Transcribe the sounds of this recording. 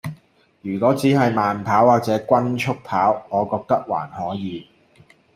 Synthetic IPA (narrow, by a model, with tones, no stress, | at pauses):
jyː˨˩kɔː˨˥t͡siː˨˥ɦɐ˨jmaː˨npʰaː˨˥waː˨k̚t͡sɛː˨˥kʷɐ˥nt͡ʃʰʊ˥k̚pʰaː˨˥wŋɔː˨˧kɔː˧k̚t̪ɐ˥k̚wa̰ː˨˩nhɔː˨˥jiː˨˧